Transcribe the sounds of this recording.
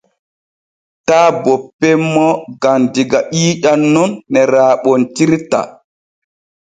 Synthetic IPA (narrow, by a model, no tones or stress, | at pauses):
taːbɔpːɛmːɔɡandiɡaʔiːɗanːɔnːɛɾaːɓɔntiɾta̰